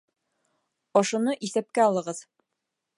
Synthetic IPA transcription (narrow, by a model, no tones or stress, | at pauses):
ɒʃŭnɤʔisæp̚kæɒlˠɤ̆ʁɤð